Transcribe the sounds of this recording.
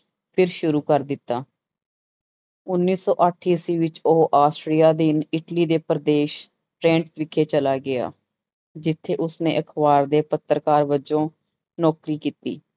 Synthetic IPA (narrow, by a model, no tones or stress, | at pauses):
pʰɪɾʃʊɾuːkəɾd̪ɪt̪ːaː | ʊnːiːsɔːʔəʈʰːiːsiːʋɪt͡ʃoɦʔaːsʈɾijaːd̪ɪnɪʈliːd̪eːpəɾəd̪eːʃ | ʈɾɛ̃ːɳʈt̪ʋɪkʰːeːt͡ʃəlaːɡɪa̰ː | d͡ʒɪt̪ʰːeːʔʊsnḛ̃ːʔəkʰbaːɾd̪eːpət̪ːɾkaːɾʋəd͡ʒõː | nɔːkɾiːkiːt̪ḭː